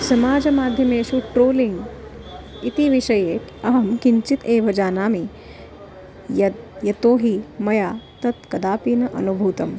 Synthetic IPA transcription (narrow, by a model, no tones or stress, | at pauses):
sɐmaːd͡ʒɐmaːd̪ʱjɐmeːʃuʈɾoːliŋɡ | it̪iʋiʃɐjeːʈ̪ʰɐɦɐmkiɲt͡ʃit̪eːʋɐd͡ʒaːnaːmi | jɐd̪jɐt̪oːɦimɐjaːt̪ɐt̪kɐd̪aːpiːnɐʔɐ̰nubʱuːt̪ɐm